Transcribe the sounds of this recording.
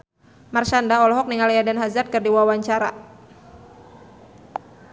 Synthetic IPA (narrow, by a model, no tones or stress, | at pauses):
marʃandaɔlɔɦɔk̚niŋalijadanɦazat̪̚kɨrdiwawaɲt͡ʃaɾa